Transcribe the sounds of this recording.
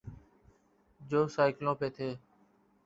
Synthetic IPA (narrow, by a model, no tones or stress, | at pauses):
d͡ʒoːsaːɪklõːpeːt̪ʰeː